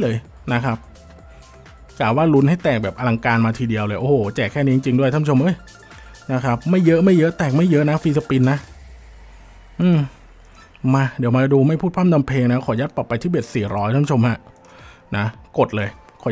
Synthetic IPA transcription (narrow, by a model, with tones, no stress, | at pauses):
lɤː˧j | na˦˥kʰa˦˥p̚ | klaː˨˩waː˥˩lu˦˥nha˥˩jt̪ɛː˨˩k̚bɛː˨˩p̚ʔa˧la˧ŋkaː˧nmaː˧t̪ʰiː˧di˧əwlɤː˧jʔoː˧˩hoː˨˩t͡ɕɛː˨˩kʰːɛː˥˩niː˦˥i˧t͡ɕi˧ŋdu˥˩jtʰa˥˩˨t͡ɕʰo˧mʔɤː˥˩j | na˦˥kʰa˦˥p̚ma˥˩jːɤ˦˥ʔma˥˩jːɤ˦˥ʔt̪ɛː˨˩k̚ma˥˩jːɤ˦˥ʔna˦˥fiː˧sa˧pi˧nːa˦˥ʔ | ʔɯː˧˩m | maː˧di˩˦wmaː˧duː˧ma˥˩jpʰuː˥˩t̪̚kʰa˥˩mdɔ˧mpʰeː˧ŋna˦˥kʰɔː˨˩˦ja˦˥t̪̚pɔ˨˩pːa˧jt̪ʰiː˥˩be˨˩t̪̚siː˨˩ɾɔː˦˥jt̪ʰa˥˩˨t͡ɕʰo˧mha˦˥ʔ | na˦˥ko˨˩t̪̚lɤː˧j | kʰɔː˨˩˦